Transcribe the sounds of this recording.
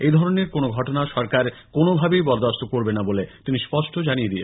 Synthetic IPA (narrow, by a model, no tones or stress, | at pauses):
ejd̪ʱɔɾoneɾkonoɡʱɔʈonaʃɔɾkaɾkonobʱabejbɔɾd̪ast̪okoɾbenabolet̪inispɔʃʈʰod͡ʑanijed̪ie